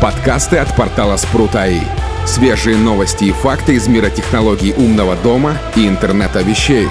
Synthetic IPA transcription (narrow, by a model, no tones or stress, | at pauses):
pɐt̪kast̪ɨɐt̪pɐrt̪alˠəspɾut̪aḭ | sʲvʲeʐɨjənovəsʲtʲɪːfakt̪ɨɪzmʲiɾətʲɪxnɐlˠoɡʲɪːʔumnəvəd̪omə | iɪnt̪ɛrnɛt̪əvʲɪɕːej